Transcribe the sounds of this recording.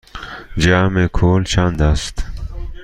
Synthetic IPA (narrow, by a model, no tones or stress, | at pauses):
d͡ʑaːmekʰoːlt͡ɕʰand̪ast̪